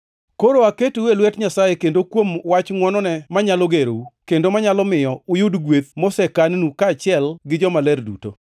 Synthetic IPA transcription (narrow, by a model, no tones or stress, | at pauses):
koɾoaketuwelwɛtɲasajekendokwomwat͡ʃŋwɔnɔnɛmaɲaloɡeɾo̰ukendomaɲalɔmɪjɔʊjʊdɡwet̪̚mosɛkannukaːt͡ʃɪɛlɡɪd͡ʒɔmalɛrdṵto̰